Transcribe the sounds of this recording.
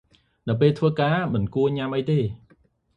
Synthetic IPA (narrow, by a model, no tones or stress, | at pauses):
nɨwpeːlt̪ʰʋəːkaːmɨnkuəɲamʔəjt̪eː